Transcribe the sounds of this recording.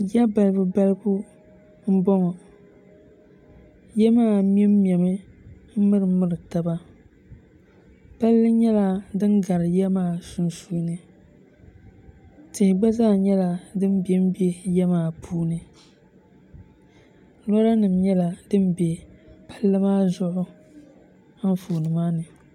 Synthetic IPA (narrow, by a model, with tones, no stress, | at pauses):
ja˦ba˨lɨ˨bɨ˦ba˦lɨ˦bu˦ | m̩˦bɔ˦ŋɔ˨ | jɛ˦maː˦˨˦m˦ɛ˦m˦m˨ɛ˨mɨ˦m̩˦mɨ˦ɾɨ˨mɨ˦ɾɨ˨ta˨ba˦ | pa˦lːɨ˦ɲɛ˦la˨dɨ˦nɡa˨ɾɨ˨jɛ˦maː˦˨su˨n˦suː˦nɨ˨ | tɪ˨hɪ˨ɡ͡ba˦zaː˦˨ɲɛ˦la˨dɨ˦m˦be˨m̩˦be˦jɛ˦maː˦˨pʰuː˦nɨ˨ | lɔ˦ɾa˦nɨ˨mɲɛ˦la˨dɨ˦m˦be˨pḁ˦lːɨ˦maː˦zʊ˦ʔʊ˦ | a˦n̩˦fuː˨nɨ˨maː˦nɨ˨